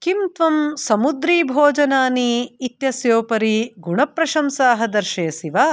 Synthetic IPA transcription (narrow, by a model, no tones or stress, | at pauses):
kimt̪ʋɐmsɐmud̪ɾiːbʱoːd͡ʒɐnaːniːt̪jɐsjoːpɐɾiɡuɳɐpɾɐʃɐmsaːɦɐd̪ɐɾʃeːsiʋaː